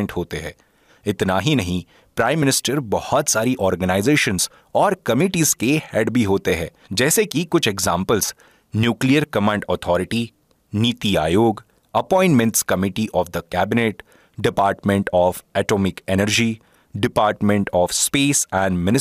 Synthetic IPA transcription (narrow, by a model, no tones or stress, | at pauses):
ɳʈɦoːt̪eɦɛ̰̃ː | ɪt̪naɦinɐɦĩ | pɾaːɪ̃mːɪnɪsʈəɾbɐhɔt̪saːɾiʔɔːɾɡənaːɪzeːʃənz | ɔːɾkɐmiːʈiːzkehɛːɖbʱiɦoːt̪eɦɛ̃ː | d͡ʒɛːsekikʊt͡ʃʰɛɡzãːmpəlz̥ | njuːklijəɾkɐmãːɳɖɔːt̪ʰɔːɾɪʈi | niːt̪ia̰ːjoːɡ | ɐpɔ̃ːɪ̃ɳʈmɛ̃ɳʈskɐmɪʈiʔɔːfd̪əkɛːbɪneːʈ | ɖɪpaːɾʈmɛ̃ɳʈɔːfɛːʈoːmɪkɛnəɾd͡ʒi | ɖɪpaːɾʈmɛ̃ɳʈɔːfspeːsɛ̃ːɳɖmɪnɪ